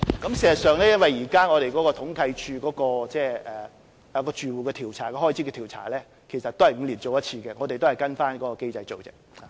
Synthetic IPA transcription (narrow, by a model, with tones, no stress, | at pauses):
kɐ˨˥msi˨˩sɐ˨˩sœː˨ŋlɛː˥jɐ˥nwɐ˨jjiː˨˩kaː˥ŋɔː˨˧ɾe˨jkɔ˨˦˥kɔː˧t̪ʰʊ˨˥ŋkʰɐ˧jt͡ʃʰyː˧kɔː˨˥kɔː˧t͡sɛː˥˧ɛ˨ | jɐ˧wkɔː˧t͡ʃyː˨˧wuː˨kɛː˧t̪ʰiː˨˩wt͡sʰaː˨˩kɛ˧hɔː˥jt͡sʰi˨˥kɛ˧iː˨˩wt͡sʰa̰ː˨˩lɛː˥ | kʰe˨˩jsɐ˨t̪̚o˥hɐ˨jŋ̩˨˧liː˨˩nt͡so˨wjɐ˥t̚t͡sʰiː˧kɛ˧ŋɔː˨˧t̪e˨t̪o˥hɐ˨˩jkɐ˥nfaː˥nkɔː˨˥kɔː˧ke˥jt͡sɐ˧jt͡so˨wt͡sɪ̰˨k̚a˨